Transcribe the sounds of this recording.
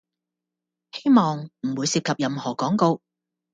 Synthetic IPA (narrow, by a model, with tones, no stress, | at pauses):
he˥jmɔː˨ŋm̩˨˩wuː˨˧jsiː˧p̚kʰɐ˨p̚jɐ˨mhɔː˨˩kɔː˨˥ŋko˧w